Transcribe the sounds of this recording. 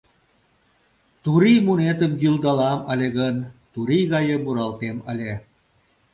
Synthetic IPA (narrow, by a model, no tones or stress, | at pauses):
t̪uɾimunet̪əmɡyld̪ɑlɑməlʲeɣənt̪uɾiɣɑjə̆muɾɑlt̪eməlʲe